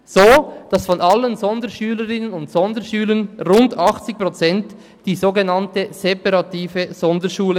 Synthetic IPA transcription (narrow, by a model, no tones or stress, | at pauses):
z̥oːd̥ɑsfɔnʔɑlənzɔndəʃyːləɾɪnənʊntsɔndəʃyːlənʁʊndɑχt͡sɪk̚pʁot͡sɛnt | d̥iːzoːɡenɑntəz̥epɑɾɑtiːvəz̥ɔndəʃuːlə